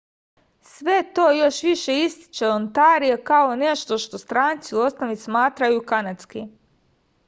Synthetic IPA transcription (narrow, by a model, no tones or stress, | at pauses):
sʋe̞t̪o̞ːjo̞ʃʋiʃe̞ist̪i̥t͡ʃeont̪aːɾijekaone̞ʃt̪o̞ʃt̪o̞st̪ɾaːnt̪siuosnoʋismaːt̪ɾajukanat̪ski